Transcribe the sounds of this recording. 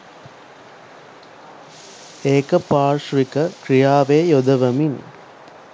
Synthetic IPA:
eːkɐpaːɾʂʋikɐkɾijaːʋeːjod̪ɐʋɐmin

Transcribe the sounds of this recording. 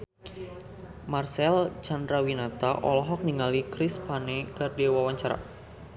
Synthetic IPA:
marsɛlt͡ʃandɾawinat̪aʔɔlɔɦɔk̚niŋalikɾɪspanɛkardewawaɲt͡ʃaɾa̰

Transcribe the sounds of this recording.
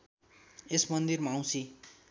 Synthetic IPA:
esmʌnd̪irmaːw̃sʰi

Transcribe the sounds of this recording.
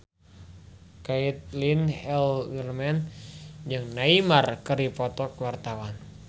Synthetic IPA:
kait̪̚linhɛlwirmɛnd͡ʒɨŋnaimarkəɾipɔt̪ɔkwart̪awan

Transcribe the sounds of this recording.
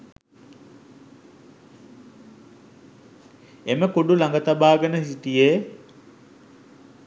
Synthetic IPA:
eməkoɖulaŋɡət̪abaːɡənəsiʈije

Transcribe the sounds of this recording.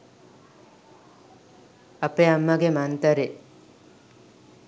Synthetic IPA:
ɐpeamːɐɡemant̪ɐɾe

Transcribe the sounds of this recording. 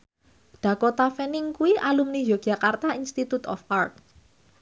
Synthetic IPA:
ɖ̥ä̤kot̪afɛnɪŋkuwiʔalumnijoɡ̥a̤kart̪ainst̪it̪ut̪ɔ̰fart̪̚

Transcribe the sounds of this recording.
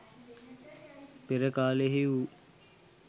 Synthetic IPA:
peɾəkaːleɦiu

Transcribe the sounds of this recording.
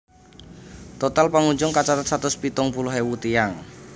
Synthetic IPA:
t̪ɔt̪alpaŋuɲd͡ʒʊŋkat͡ʃat̪at̪̚sat̪ʊspit̪ʊŋpuluɦewut̪ijaŋ

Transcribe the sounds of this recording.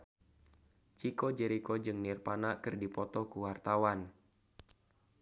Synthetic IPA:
t͡ʃikɔd͡ʒɛɾikɔd͡ʒɨŋnirpanakɨrdipɔt̪ɔkuwart̪awan

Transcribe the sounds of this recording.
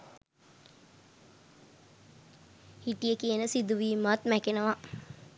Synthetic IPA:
hiʈijəkiənəsid̪uʋiːmat̪mækenəʋa

